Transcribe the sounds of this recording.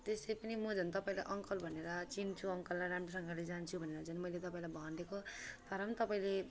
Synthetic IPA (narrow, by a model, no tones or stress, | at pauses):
t̪esʌjpʌnimʌd͡zʱʌnt̪ʌpãĩla̰jʔʌŋkʌlbʱʌneɾʌt͡sint͡sʰuʌŋkʌlːajɾamresʌŋɡaled͡zant͡sʰubʱʌneɾʌd͡zʌnmʌjlet̪ʌpaĩlajbʱʌɦnɖekot̪ʌɾʌnt̪ʌpaĩle